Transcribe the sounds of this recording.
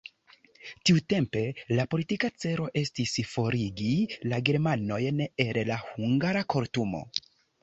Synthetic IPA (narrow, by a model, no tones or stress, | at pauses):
tiute̞mpe̞lapo̞litikat͡se̞ɾo̞ʔe̞stisfo̞ɾiɡilaɡe̞ɾmano̞jne̞llahuŋɡaɾakʰo̞ɾtumo̞̰